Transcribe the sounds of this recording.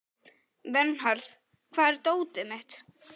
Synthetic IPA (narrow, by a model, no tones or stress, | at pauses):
vɛnhaɾθ | kʰv̥aːðɛɾt̪oːwt̪ɪmɪht̪